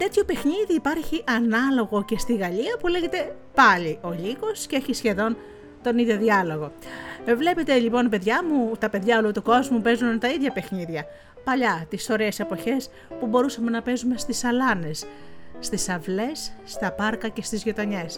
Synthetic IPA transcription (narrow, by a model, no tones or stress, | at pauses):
t̪e̞t̪ço̞pe̞xniðiːpɐɾçiʔɐnɐlo̞ɣo̞ce̞st̪iɣɐʎiɐpule̞ʝe̞t̪e̞ | pɐʎiʔo̞ʎiɣo̞sceeçisçe̞ðo̞n | t̪o̞niðjo̞ðiɐlo̞ɣo̞vle̞pe̞t̪e̞ʎipo̞npe̞ðʝɐmut̪ɐpe̞ðʝɐolut̪uko̞zmupe̞zunt̪ɐiðʝɐpe̞xniðʝɐ | pɐʎɐt̪iso̞ɾeːsepo̞çe̞s | pubo̞ɾusɐme̞nɐpe̞zume̞st̪isɐlɐne̞sːt̪isɐvle̞sːt̪ɐpɐɾkɐce̞st̪izʝot̪oɲe̞s